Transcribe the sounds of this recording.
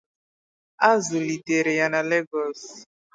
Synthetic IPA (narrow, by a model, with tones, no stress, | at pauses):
a˦zu˨li˨te˨ɾe˨ja˨na˨le˦ɡɔ˦s